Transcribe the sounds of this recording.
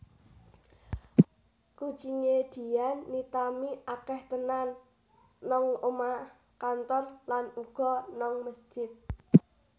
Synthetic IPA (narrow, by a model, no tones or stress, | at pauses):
kut͡ʃiɲed̪̥i̤janːit̪amiʔakɛht̪ənanː | ɔŋoma | kant̪ɔrlanuɡ̥ɔ̤nɔŋməsd͡ʒ̥ɪt̪̚